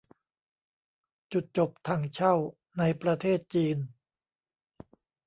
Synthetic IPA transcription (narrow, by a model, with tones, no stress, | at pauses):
t͡ɕu˨˩t̪̚t͡ɕo˨˩p̚t̪ʰaː˧˩ŋt͡ɕʰa˥˩w | na˧jpɾa˧t̪ʰeː˥˩t̪̚t͡ɕiː˧n